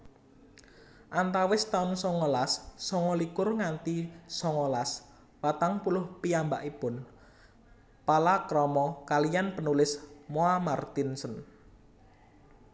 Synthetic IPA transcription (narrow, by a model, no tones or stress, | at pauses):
ʔant̪awɪst̪aʊnsɔŋɔlasːɔŋɔlikʊrŋant̪isɔŋɔlas | wat̪aŋpulʊhpiamba̰ʔipʊn | palakɾɔmɔkalijanpənulɪsmoamart̪insən